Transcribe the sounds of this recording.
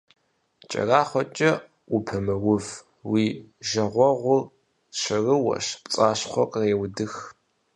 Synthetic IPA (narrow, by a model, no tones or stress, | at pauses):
t͡ʃʼɐ̰raːχʷɔt͡ʃʼɐ | ʊpʰɐmɨwʊv | wiːʒɐʁʷɔʁʷʊr | ʃɐrɨwɐ̰ʂpt͡sʼaːɕχʷɔkqʼreːwdɨx